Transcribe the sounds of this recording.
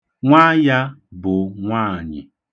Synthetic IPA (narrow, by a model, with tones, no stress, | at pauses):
ŋʷa˦ja˦bʊ˨ŋʷaː˦˨ɲɪ̰˨